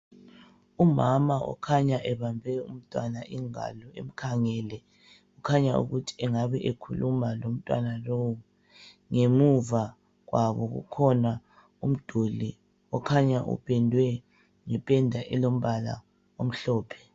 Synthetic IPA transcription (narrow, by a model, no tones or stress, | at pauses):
umamaʔɔ̰kʰaɲaʔɛβambʱɛum̩tʼwanaʔiŋa̰lɔḛm̩kʰaŋɛlɛ | ukʰaɲaṵɣutʰi̥ɛŋaβɛʔekʰulumalom̩tʼwa̰nalowu | ŋemuva | ɣwaβɔɣṵkʰɔna | um̩d̥ʱuli | ɔkʰaɲaʔṵpʰʼɛndʱwɛ | ŋɛpʼɛndʱaʔɛlom̩βala̰ | om̩ɬɔːpʰɛ̥